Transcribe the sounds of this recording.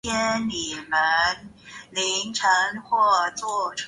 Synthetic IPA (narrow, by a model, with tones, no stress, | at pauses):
ɛ˥ni˨˩mə˦n | li˧˥ŋʈ͡ʂʰɤ˧˥ŋxwɔ˥˧t͡swɔ˥˩ʈ͡ʂʰ